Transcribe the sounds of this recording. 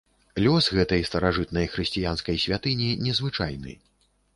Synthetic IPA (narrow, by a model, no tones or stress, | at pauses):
lʲɔsɣɛt̪ɐjst̪ɐɾaʐɨt̪nɐjxɾɨsʲt͡sʲijanskɐjsʲvʲat̪ɨnʲinʲɛzvɨt͡ʂa̰jnɨ̰